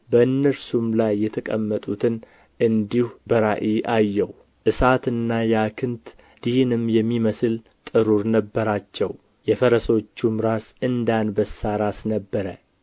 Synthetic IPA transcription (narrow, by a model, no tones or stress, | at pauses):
bəɨnːəɾsumlajːɛt̪ʰəkʼə̰mːət̪ʼut̪ʰɨn | ʔɨnd̪ihubəɾaʔiʔajːɛw | ʔɨsat̪ɨnːajakʰɨnt̪ | d̪̥ihnɨmjɛmːiməsɨl | t̪ʼɨɾuɾnəbːəɾat͡ʃːɛw | jɛfəɾəso̞t͡ʃːumɾasɨnd̪anbəsaɾasnəbːəɾə